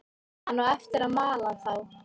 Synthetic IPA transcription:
anːuwɛft̪ɪɾaðmaːlaðθaw

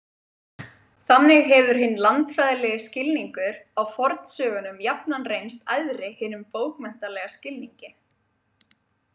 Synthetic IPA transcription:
θanːɪɣɦɛvʏɾ̥ɦɪnːlant̪fɾajðalɛɣɪscɪlniŋkʏɾawfɔɾt̪n̥sœːɣʏnʏmjapnanrejnst̪ajðɾɪhɪːnʏmpoːwkmɛn̥t̪alɛɣascɪlniŋcɪ

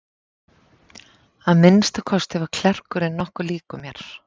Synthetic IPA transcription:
aðmɪnst̪akʰɔst̪ɛvakʰl̥ɛr̥kʏɾɛnːɔhkʏliːkʏmjɛɾ̥

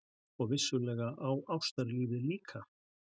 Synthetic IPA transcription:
ɔɣvɪsːʏlɛːɣaʔawawst̪aɾliːvɪliːkʰa

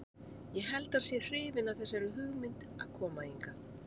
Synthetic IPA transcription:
jɛɣɦɛlt̪aɾ̥sjɛr̥ɪːvɪnavθɛsːaɛɾʏɦʏɣmɪnt̪ | aðkʰɔːmaiŋkaθ

